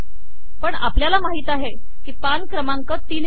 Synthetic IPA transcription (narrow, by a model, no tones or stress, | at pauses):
pəɳa̰pljalamaɦiːt̪aɦe | kiːpankɾəmaŋkət̪iːn